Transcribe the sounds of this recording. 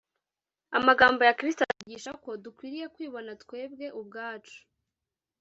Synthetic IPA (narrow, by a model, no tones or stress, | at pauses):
amaɡaːmbo̞jakɾistaɾaɟiːʃako̞dukwiːɾije̞kwiːβo̞natwe̞ːb̚ɡe̞ʔubɡaːt͡ʃu̥